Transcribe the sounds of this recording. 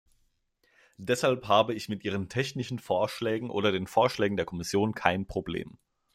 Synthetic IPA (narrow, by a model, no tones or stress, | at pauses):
d̥ɛshalphaːbəɪçmɪtʔiːʁ̞əntʰɛçnɪʃn̩foːɐʃlɛːɡŋ̩ʔo̰ːdɐdeːnfoːɐʃlɛːɡŋ̩deːɐkʰɔmɪsjoːnkʰaɪnpʁ̥oblḛːm